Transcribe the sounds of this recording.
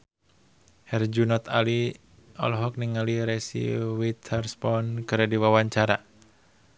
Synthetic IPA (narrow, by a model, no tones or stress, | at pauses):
hɛrd͡ʒunɔt̪ali | ɔ̰lɔɦɔk̚niŋaliɾɛsḭwit̪ʰɛrspɔnkɨɾadiwawaɲt͡ʃaɾa